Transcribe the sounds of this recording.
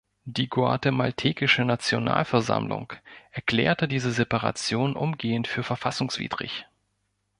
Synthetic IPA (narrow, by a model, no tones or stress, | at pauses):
d̥iːɡoa̰temaltʰeːkɪʃənat͡sjona̰ːlfɛɐza̰mlʊ̰ŋʔɛɐkl̥ɛːɐtədiːzəzepaʁa̰t͡sjoːnʔʊmɡeːəntfyːɐfɛɐfasʊŋsv̥ḭːd̥ʁɪ̰ç